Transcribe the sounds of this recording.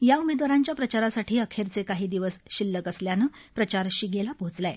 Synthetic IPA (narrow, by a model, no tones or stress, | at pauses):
jaumed̪ʋaɾaɲt͡ɕjapɾət͡ɕaɾasaʈʰiːəkʰeɾt͡sekaɦiːd̪iʋəsɕilːəkəsljanəpɾət͡ɕaɾɕiɡelapot͡slaj